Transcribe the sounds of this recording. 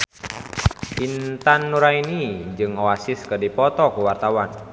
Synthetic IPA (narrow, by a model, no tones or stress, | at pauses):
ʔint̪anːuɾainid͡ʒɨŋoasiskədipɔt̪ɔkuwart̪awan